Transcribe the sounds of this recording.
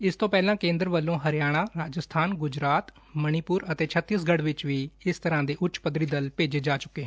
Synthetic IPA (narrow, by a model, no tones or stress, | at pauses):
ɪst̪õːpɛːlãːkẽːnd̪ɾʋəlːõːɦəɾɪjaːɽ̃ãːɾaːd͡ʒəst̪ʰaːnɡʊd͡ʒɾaːt̪ | məɽ̃iːpʊːɾət̪eːt͡ʃʰət̪ːɪəsɡəɽʋɪt͡ʃʋiːɪst̪əɾãːd̪eːʔʊt͡ʃpəd̪ɾiːd̪əlpeːd͡ʒeːd͡ʒaːt͡ʃʊkːeːɦɛ̃